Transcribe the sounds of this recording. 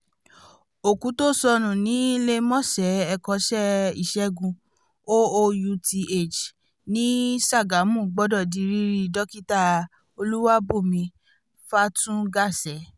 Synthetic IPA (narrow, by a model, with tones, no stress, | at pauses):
o˨kũ˨˦to˦˨sɔ˧ñũ˨nĩ˨˦le˦mɔ̃˦˨sɛ˨˦ɛ˧kɔ˧˦ʃɛ˦ḭ˦˨ʃɛ˨˦ɡũ˧ | o˦o˧ju˧ti˧e˦˨t͡ʃ | nĩ˨˦sa˦˨ɡa˨˦mũ˦˨ɡ͡bɔ˦dɔ˦˨di˨˧˦ɾi˦ɾi˦dɔ˦ki˦ta˦˨ | o˧lu˦wa˦bo˦˨mĩ˧ | fa˦tũ˦ɡa˦˨sɛ˨˦